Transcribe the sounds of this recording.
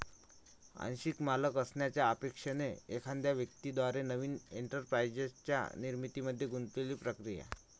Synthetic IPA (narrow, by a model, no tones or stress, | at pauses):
a̰nɕikmaləkəsɳjat͡ɕjaːpekʂeneekʰãnd̪jaʋjəkt̪id̪ʋaɾenəʋiːneɳʈəɾpɾajd͡ʑət͡ɕja̰niɾmit̪iməd̪ʱːjeɡunt̪leliːpɾəkɾija̰